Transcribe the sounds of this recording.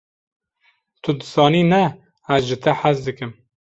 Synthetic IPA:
t̪ʰʊd̪ɨsɑːniːnɛ | æzʒɨt̪ʰɛħasd̪ɨkɨm

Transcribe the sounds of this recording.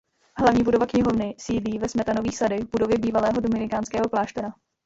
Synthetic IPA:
ɦlavɲiːbudovakɲɪɦo̞vnɪsiːdliːvɛsmɛt̪ano̞viːxsadɪvbudo̞vjɛbiːvalɛːɦo̞domɪnɪkaːnskɛːɦo̞plaːʃt̪ɛɾa

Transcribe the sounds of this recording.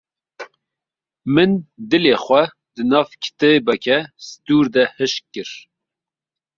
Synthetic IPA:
mɨnd̪ɨleːχʷɛ | d̪ɨnɑːfkʰə̥t̪ɨbɛkʲʰɛsɨd̪uːɾd̪ɛhɨʃkɨɾ

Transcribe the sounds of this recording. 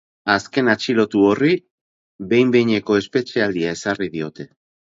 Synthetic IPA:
aske̞nat͡ʃilo̞t̪uo̞ri | βe̞jmbe̞jɲe̞ko̞e̞spe̞t͡ʃeald̪iae̞sarið̞io̞t̪e̞

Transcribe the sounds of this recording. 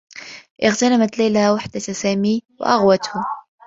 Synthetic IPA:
ʔɪɣt̪anamat̪lajlhawaħd̪asæːmiw̰ʔaɣwat̪hʊm

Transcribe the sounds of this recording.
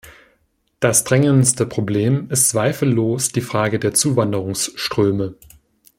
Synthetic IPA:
d̥asd̥ʁɛŋənstəpʁ̥obleːmɪstt͡sv̥aɪfl̩ːoːsd̥iːfʁ̥aːɡədeːɐt͡suːvandəʁʊŋsʃtʁ̥øːmə

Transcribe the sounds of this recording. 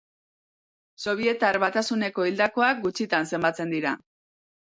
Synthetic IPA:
so̞βie̞t̪aɾβat̪asune̞ko̞ild̪ako̞ak̚ɡut͡ʃit̪anse̞mbat͡se̞nd̪iɾa̰

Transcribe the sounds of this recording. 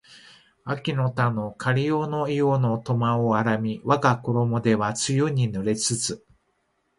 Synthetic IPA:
akʲino̞t̪ano̞kʰaɾʲijono̞ijono̞t̪o̞maoaɾamʲiβaɡako̞ɾo̞mo̞d̪e̞βat͡sɨjoɲ̟inɯɾe̞t͡sɨt͡sɨ

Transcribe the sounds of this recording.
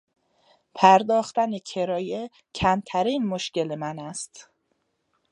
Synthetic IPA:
pʰæɾd̪ɒːxt̪ænecʰe̞ɾɒːje | cʰæmt̪ʰæɾiːnmoʃce̞lemænæst̪

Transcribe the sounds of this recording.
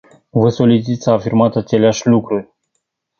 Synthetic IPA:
vəso̞lit͡ʃit̪ʲsaːfirmat̪at͡ʃe̞leaʃʲlukɾurʲ

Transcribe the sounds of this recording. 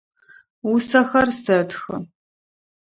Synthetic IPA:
usɐxɐrsɐtxɨ

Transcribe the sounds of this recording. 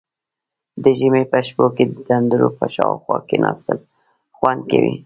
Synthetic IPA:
d̪əʒəmepəʃpoked̪əd̪and̪uɾopəʃɑwxwɑkenʔɑst̪əl | xwand̪̚kawi

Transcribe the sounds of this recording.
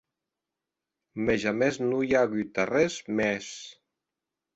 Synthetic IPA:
meʒamɛznujaɣyt̪arɛzmɛs

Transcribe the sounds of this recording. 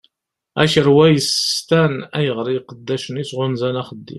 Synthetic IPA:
æ̰ʃəɾwæjəst̪ænæjəʁɾijqəd̪ːæʃənisʁʊnzænæχəd̪ːḭm

